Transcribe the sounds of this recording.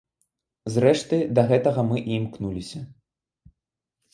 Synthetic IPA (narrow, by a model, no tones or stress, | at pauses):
zrɛʂt̪ɨd̪ɐɣɛt̪ɐɣɐmɨʔimknulʲisʲɐ